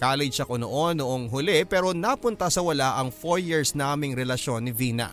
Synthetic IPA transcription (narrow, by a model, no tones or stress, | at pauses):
kaːlɪd̪ʃɐkonoʔonːoʔoŋɦʊlɛpɛːɾo̞napʊnt̪ɐsɐwɐlaʔɐŋfoɹjiɹsnaːmɪŋɾɛlɐʃo̞nːɪviːnɐ̰